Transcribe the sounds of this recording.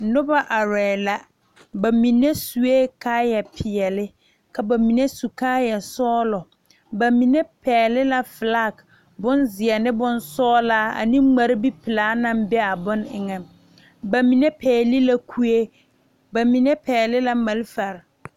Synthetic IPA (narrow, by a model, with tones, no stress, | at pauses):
nʊ˦ba˦ʔa˨ɾɛː˨la˦ | ba˨mĩ˨nɛ˦su˨e˦kʰaː˦jɛ˨pʰɪ˨ɛ˨lɪ˦ | kʰa˨ba˨mi˨ne˦su˨kaː˦jɛ˨sɔː˦lɔ˨ | ba˨mĩ˨nɛ˦pɛː˨lɪ˦la˦fɪ˨la˦˨k | bʊ˦nzɪ˨ɛ˨nɪ˦bʊ˦nsɔː˦laː˦a̰˨nĩ˦ŋ͡ma˨ɾɪ˦bi˦pɪ˨laː˨˦nã˦mbɛ˦a˨bʊ˦nɪ˨ŋɛ˨m | ba˨mĩ˨nɛ˦pʰɛː˨li˦la˦kʰu˦e˦ | ba˨mĩ˨nɛ˦pɛː˨lɪ˦la˦ma˨lfa˨ɾ